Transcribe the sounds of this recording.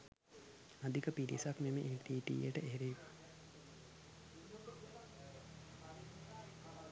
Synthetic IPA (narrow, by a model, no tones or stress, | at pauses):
ad̪ikəpidḭsakmemeʔeʈiːʈḭːjəʈəʔeeɾiiʋa